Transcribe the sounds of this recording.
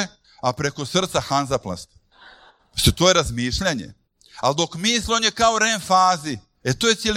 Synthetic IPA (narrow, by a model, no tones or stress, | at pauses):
apɾe̞ko̞sr̩t̪saxanzaplˠa̰st̪ | ʃt̪ot̪ojeɾazmiːʃʎaɲḛ | ald̪o̞kmiːslionjekaoɾenfaːzi | et̪ojesʲjel